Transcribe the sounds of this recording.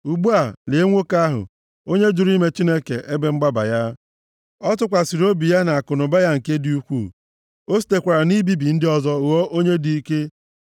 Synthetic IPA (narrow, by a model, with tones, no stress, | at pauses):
u˨ɡ͡bu˦a˨le˨˦ŋʷo˦ka˦ɦʊ̰˨ | o˦ɲe˦d͡ʒʊ˨ɾi˦me˦t͡ʃi˦ne˦kḛ˨ʔe˦be˦ŋ͡m̩˦ɡ͡ba˦ba̰˨ja˦ | ɔ˦tʊ˦kʷa˨si˨ɾo˦bi˨ja˦na˨a˨kʊ˨nʊ˨ba˦ja˦ŋ̩˨ke˦di˦u˦kʷu˦˨ | o˦s̬i̥˨te˨kʷa˨ɾa˨ni˦bi˦bi˨n̩˦dɪ˦ɔ˦zɔ˦˨wɔ˦ʔo˦ɲe˦di˦i˦ke˦